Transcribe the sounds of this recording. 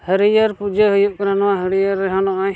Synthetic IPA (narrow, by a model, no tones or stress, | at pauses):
həɾijəɾpud͡ʒəɦujuʔkəɾanɔwaɦəɾijəɾːɛɦɔnɔʔaj